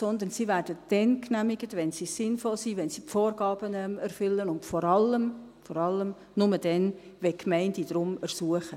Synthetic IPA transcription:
sɔnd̪əɾnsivæːɾdəd̥ɛnknæmiɡətʋɛnsisɪnfɔlsiʋɛnsipfoːɾɡ̥ɑːb̥ənɛmɛɾfʏlːənʊntfɔɾɑləm | fɔɾɑlːəm | nʊməd̥ɛn | ʋɛkmɛɪndid̥̪ɾʊmɛɾsuəχə

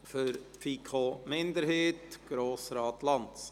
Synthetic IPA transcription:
føɾfiːkʰoːmɪnd̪əɾheːt̪ɡ̥ɾoːsɾɑːt̪lɑnt̪s

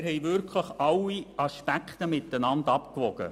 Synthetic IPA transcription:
ɾɦɛjʋɪɾkʰləχɑlːiɑʃpækχt̪əmɪt̪ːənɑndɑpkʋɔɡ̥ə̰

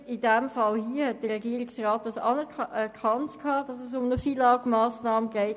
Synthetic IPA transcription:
ɪdɛmfɑlhiːəhɛt̚d̥əʁɛɡiəɾɪksraːt̚dɑsɑ̰nɛɛkʰɑntkʰɑːd̥ɑsɛs̬ʊmnəfilɑːɡmɑːsnɑːməɡɛɪt

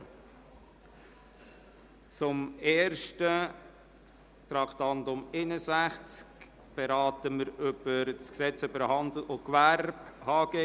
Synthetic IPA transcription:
t͡sʊmeːɾʃtə | t̪ɾɑktɑndʊmɪnəzæχt͡sk | b̥ɛɾɑːtəməɾʏb̥əɾt͡sksɛt͡søbəɾhɑnd̪l̩ʔokʋæɾbhɑːɡ̥e

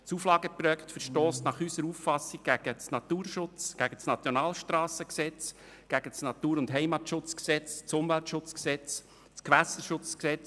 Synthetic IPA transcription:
t͡suflɑːɡəpɾœːktfəɾʃtɔːsnɑχysəɾuffɑsiɡ̚ɡ̥æɡ̥ət͡snɑt̪uːɾʃʊt͡sɡ̥æɡ̥ət͡snɑt͡sjɔnɑːlʃtɾɑːsəksɛt͡s | ɡ̥æɡ̥ət͡snɑt̪uːɾʊntɦɛjmɑtʃʊt͡sksɛt͡st͡sʊmvæltʃʊt͡sksɛt͡s | t͡skʋæsəʃʊt͡sksɛt͡s

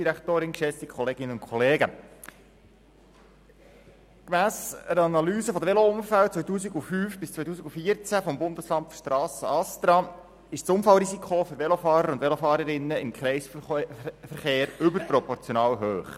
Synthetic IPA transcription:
iɾækt̪oːɾɪnkʃɛst̪ikʰχɔleːɡ̥ɪnənʊnkʰɔleːɡə | kmæːsəɾɑnɑlyːsəfod̪əʋeloʊmfæwt͡sʋœjtuːsiɡufyːfb̥ɪst͡sʋœjt̪uːsiɡufiət͡sæfɔmbʊndəslɑntfʃtɾɑːsəɑst̪ɾɑ | ɪʃt͡sʊmfɑlɾizikʰoføɾʋɛlofɑːɾəɾʊnd̪vʋɛlofɑːɾəɾɪnːəɪmkʰχɾɛɪs | fəɾχeːɾʏbəɾpɾɔpɔɾt͡sjonɑːwɦøːχ

